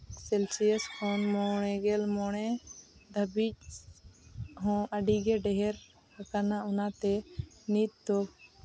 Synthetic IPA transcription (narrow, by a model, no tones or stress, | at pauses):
sɛlsiɛskɔnmɔɽ̃ɛɡɛlmɔɽ̃ɛd̪ʱəbic̚ | ɦɔ̃ʔaɖiɡɛɖɛɦɛɾ | hakanaunat̪ɛnit̪̚ːɔ